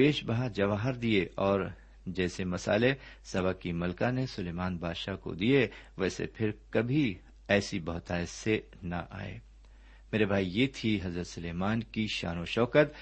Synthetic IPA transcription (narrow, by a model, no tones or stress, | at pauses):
peːʃbaɦad͡ʒɐʋaːɦəɾd̪ieʔɔːɾ | d͡ʒɛːsemɐsa̰ːlesɐbakimɐlkanesʊleːmaːnbʱaːd̪ʃaːko̰d̪ieʋɛːsḛpʰɪɾkɐbʱi | ɛːsibɐɦt̪aːɪse | nɐ̰ʔa̰ːḛː | meːɾebʱaːijeːt̪ʰiɦɐzɾət̪sʊleːmaːnkiʃa̰ːnoʃɔːkət̪